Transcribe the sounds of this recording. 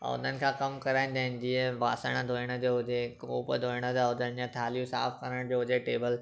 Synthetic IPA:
ʊ̰n̤ənɪ̆kʰãːkɐmkɐɾaːɪ̃nd̪aːɦɪ̃n̆d̪ieʋaːsəɽ̃əd̪ʱoːɪɽ̃əd͡ʑoːɦʊd͡ʑekoːpəd̪ʱoːɪɽ̃əd̪aʊnənɪ̆d͡ʑãt̪ʰaːljũsa̰ːfkɐɾəɽ̃d͡ʑoːɦʊd͡ʑeʈeːbəl

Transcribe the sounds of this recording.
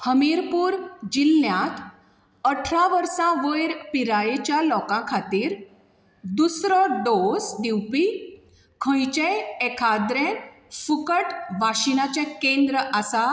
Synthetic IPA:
həmiɾpuːɾd͡ʑilːjãt̪ | əʈʰɾaʋəɾsãʋəjɾpiɾajet͡ɕjalɔkãkʰat̪iːɾ | d̪usɾɔɖosd̪iwpi | kʰə̃jt͡ɕeekʰad̪ɾẽn | fukəʈʋaɕinat͡ɕẽkẽnd̪ɾəasa

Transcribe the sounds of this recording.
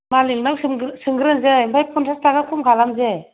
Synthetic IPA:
maliŋnawssɯŋɡɯɾɯnzeimbʰajpʰunsʰastaɡakʰumɡʰʱalamze

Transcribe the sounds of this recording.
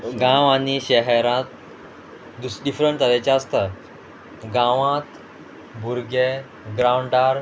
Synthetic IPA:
ɡãwaniɕɛɦɛɾãt̪ | d̪usɖifɾəɳʈt̪əɾet͡ɕjaəst̪ə | ɡãʋãt̪ | buɾɡe | ɡɾauɳɖaɾ

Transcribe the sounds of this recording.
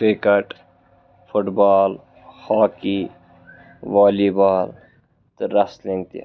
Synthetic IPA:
kɾekɐʈ | fʰʊʈbaːl | haːki | ʋaːlibaːl | t̪ɾɐslẽŋɡ̚t̪ia̰

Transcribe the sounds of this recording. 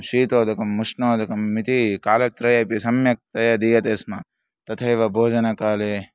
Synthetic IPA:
ʃiːt̪oːd̪ɐkɐmːusnoːd̪ɐkɐmːit̪ikaːlɐt̪ɾɐjɐpisɐmjɐk̚t̪ɐjɐd̪iːjɐt̪eːsmɐ | t̪ɐt̪ʰɐjʋɐbʱoːd͡ʒɐnɐkaːleː

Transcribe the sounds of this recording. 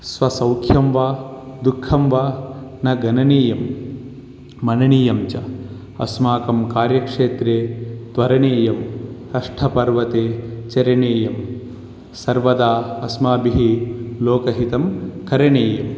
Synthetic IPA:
sʋɐsɐwkʰjɐmʋaːd̪ukʰːɐmʋaːnɐɡɐnɐneːjɐm | ɐnɐɳiːjɐmt͡ʃɐ | ɐ̰smaːkɐmkaːɾjɐkʂeːt̪ɾeːt̪ʋɐɾɐɳeːjɐm | ɐʂʈʰɐpɐɾʋɐt̪eːt͡ʃɐɾɐɳeːjɐm | sɐɾʋɐd̪aːɐsmaːbiɦiloːkɐɦit̪ɐmkɐɾɐɳeːjɐm

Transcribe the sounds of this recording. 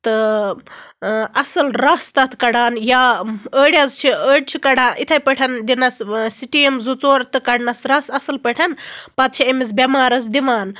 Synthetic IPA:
t̪ɨ | ɐsɐlɾɐst̪ɐt̪ʰkɐɽaːnjaəɽjazt͡ʃʰiəɽ̚t͡ʃʰikɐɽaːʔit̪ʰɐjpəʈʰɐnd̪inɐssiʈiemzut͡soːɾt̪ɨkɐɽnɐsɾɐsɐsɐlpɐʈʰɐnpɐt̪̚t͡ʃʰiemisbʲemaːɾɐs̬d̪iʋaːn

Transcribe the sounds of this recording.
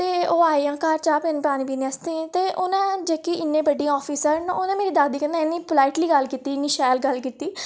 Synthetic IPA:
t̪eːoːaːeãːkaːɾt͡ʃaːpenːpɾaːniːbiːnẽəst̪ẽt̪eːʔʊnãːd͡ʒeːkiːɪnːẽːbəɖĩɔːpʰiːsəɾnʊnãːmeːɾiːd̪aːd̪iːkə̃nd̪ãɪnːĩːpəlaːɪʈliːɡəlkiːt̪iːɪnːiːʃaːlɡəlkiːt̪iː

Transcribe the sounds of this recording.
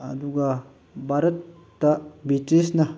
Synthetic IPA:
ɐ̰d̪uɡɐ | bʱaɾɐt̪ː | ɐbitɾisnɐ

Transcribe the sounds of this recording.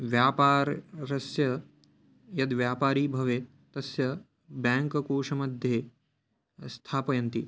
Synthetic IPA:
ʋjaːpaːɾːɐsjɐ | jɐd̪ʋjaːpaːɾiːbʱɐʋeː | t̪ɐsjɐ | baːŋkɐkoːʂɐmɐd̪ʱjeː | st̪ʰaːpɐjɐnt̪i

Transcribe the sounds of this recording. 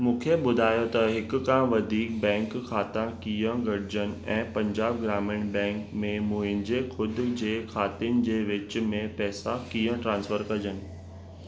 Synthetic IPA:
mũːkʰeɓʊd̪ʱaːjot̪ɐɦɪkːãːʋɐd̪ʱiːk̚bɛ̃ːŋkxʰaːt̪ãkijə̃ɡɐɽ̤ʱɪd͡ʑənɪ̆ɛ̃ːpɐ̃ɲd͡ʑaːb̚ɡɾaːmɪɽ̃bɛ̃ːŋkmẽmũːɦɪ̃nd͡ʑexʊd̪̆ʱd͡ʑeːxʰaːt̪ɪnɪ̆d͡ʑeːʋɪt͡ɕʊ̆mẽpɛːsakiːə̃ʈɾãːnsfəɾkɐd͡ʑənɪ̆

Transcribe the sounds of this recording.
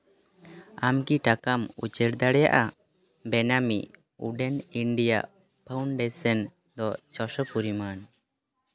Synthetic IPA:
amkiʈakamṵt͡ʃəɾd̪aɽɛja̰ʔa | bɛnamiʔ | ṵɖɛniɳɖija̰ʔ | pʰawɳɖesən | d̪ɔt͡ʃɔsəpuɾiman

